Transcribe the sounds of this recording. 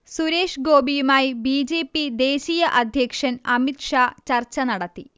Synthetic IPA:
suɾe̞ːʂɡo̞ːbijumaːjibiːd͡ʑeːpːid̪e̞ːɕiːjɐʔɐd̪ʱjɐkʂɐnɐmit̪ʂaːt͡ɕɐrt͡ɕːɐnɐɽɐt̪ːi

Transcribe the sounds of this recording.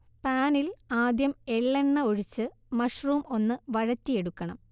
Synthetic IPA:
paːnilaːd̪jɐme̞ɭːeɳːɐoɻit͡ɕːɨ | mɐʂruːmo̞nːɨʋɐɻɐtːie̞ɽukːɐɳɐ̰m

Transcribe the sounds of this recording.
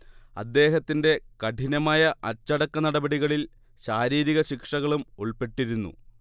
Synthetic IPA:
ɐ̰d̪ːe̞ːɦɐt̪ːinde̞kɐʈʰinɐmaːjɐʔɐt͡ɕːɐɽɐkːɐnɐɽɐbɐɽiɣɐɭil | ɕaːɾiːɾiɣɐɕikʂɐɣɐɭumoɭpe̞ʈːiɾunːṵ

